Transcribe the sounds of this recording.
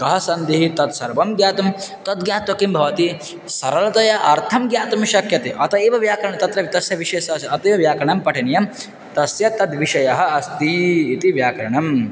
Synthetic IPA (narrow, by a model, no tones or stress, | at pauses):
kɐɦɐsɐnd̪iɦit̪ɐt̪sɐɾbɐmɡjaːt̪ɐmt̪ɐd̪̚ɡjaːt̪ʋɐkimbʱɐʋɐt̪i | sɐɾɐlɐt̪ɐjɐʔɐɾt̪ʰɐmɡjaːt̪ɐmʃɐkʰjɐt̪eʔɐt̪ɐeːʋɐʋjaːkɐɾɐɳɐt̪ɐt̪ɾɐʋt̪ɐsjɐʋiʃeːsɐːsɐt̪eʋɐʋjaːkɐɳɐmpɐʈʰɐnɐjɐm | t̪ɐsjɐt̪ɐd̪ʋiʃɐjɐɦɐɐst̪iːt̪iʋjaːkɐɾɐɳɐm